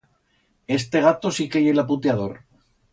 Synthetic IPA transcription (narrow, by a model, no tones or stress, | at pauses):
e̞st̪e̞ɣ̞at̪o̞sikejelaput̪jaðo̞ɾ